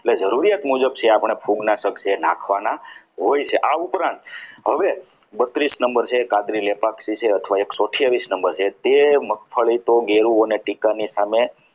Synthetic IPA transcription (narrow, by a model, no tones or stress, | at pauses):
eʈled͡ʒəɾuɾijat̪mud͡ʒəbt͡ʃʰeapəɽ̃epʰuɡnasəkt͡ʃʰena̰kʰʋana | ɦojt͡ʃʰeʔaupɾãnt̪ɦəʋe | bət̪ɾisnəmbəɾt͡ʃʰekãd̪ɾilepaksit͡ʃʰeət̪ʰəʋaeksoʈʰjaʋisnəmbəɾt͡ʃʰet̪emək̚fʰəɭit̪oɡeɾuoneʈikanisame